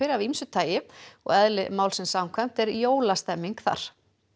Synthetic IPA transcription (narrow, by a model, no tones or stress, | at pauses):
ɪɾɪavimsʏt̪ʰaːjɪɔ̰ɣɛðlɪmaːwlsɪnsawmkʰvajm̥t̪ɛɾjoːwlast̪ɛmːiŋkθa̰ɾ̥